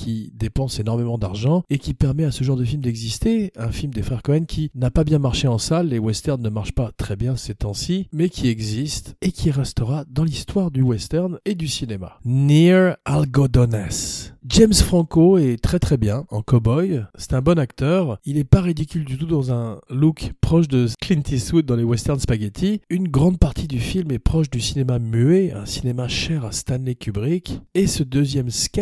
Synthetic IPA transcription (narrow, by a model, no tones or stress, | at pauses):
kʰʲid̪epɑ̃senɔʁmemɑ̃d̪aʁʒɑ̃ekʲipɛʁmɛasəʒɑ̃ʁd̪əfilmd̪ɛɡzist̪eɛ̃filmd̪efχɛʁkɔ̃ɛmkʲʰinapabjɛ̃maʁʃeɑ̃salːewɛst̪ɛʁnːəmaʁʃpat̪χɛbjɛ̃sɛt̪ɛ̃simɛkʲʰiɛɡzist̪ekʲʰiʁɛst̪əʁad̪ɑ̃list̪waʁd̪ywɛst̪ɛʁned̪ysinema̰niʁalɡɔd̪ɔnɛsd͡ʒɛmsfχɑ̃koɛt̪χɛt̪χɛbjɛ̃ɑ̰̃kɔbɔjsɛ̥t̪ɛ̃bɔnakt̪œʁilɛpaʁid̪ikʲyld̪yt̪ud̪ɑ̃zɛ̃lukpχɔʃd̪əklint̪iswut̪̚d̪ɑ̃lewɛst̪ɛʁnspaɡɛt̪ʰiynɡʁɑ̃d̪̚paʁt̪ʰid̪yfilmɛpχɔʃd̪ysinemamyeɛ̰̃sinemaʃɛʁast̪anlekʲybʁikesəd̪øzjɛmskɛ